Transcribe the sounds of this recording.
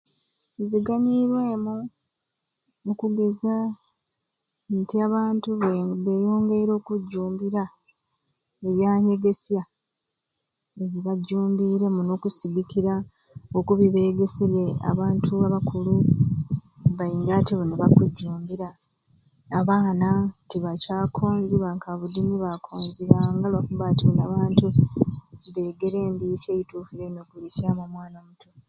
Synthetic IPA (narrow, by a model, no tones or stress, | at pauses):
ziɡaɲiɾwe̞ːmu | nukuɡe̞za | ntiaβaːntuββe̞ːjo̞ːŋɡe̞iɾo̞ːkuɟːuːmbiɾa | e̞βjaːɲe̞ɡe̞sja | e̞βiβaɟːuːmbiɾe̞muno̞ːkusiɡikiɾa | okuβiβeːɡe̞seɾea̰βaːntʰuaβakʰulu | βajiːŋɡatiβuneβakuɟːuːmbiɾaː | βaːnatiβacaːkʰo̞ːnziβaŋkaβudiniβakʰoːnziβaŋɡalakuβatiunaβaːntu | βe̞ːɡe̞ɾe̞ːndiseituːfiɾeinokulisiaːmamwaːnomutʰo